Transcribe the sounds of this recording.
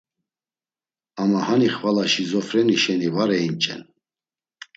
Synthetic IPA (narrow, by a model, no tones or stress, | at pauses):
amahaniχvalaʃizɔfɾɛniʃɛnivaɾɛint͡ʃʼɛ̰n